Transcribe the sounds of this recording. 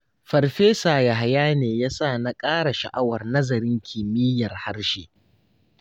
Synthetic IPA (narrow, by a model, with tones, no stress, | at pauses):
ɸɐ˨rɸeː˦saː˨ja˨ɦa˨jaː˦neː˨jaː˦saː˦˨na˦kʼaː˦ɽa˨ʃɐ̰˨ʔa˦wɐ˨rnɐ˦zɐ˨ɾɪ˦ŋkʲʰɪ˨mɪ˦jɐ˨rha˦ɽʃeː˦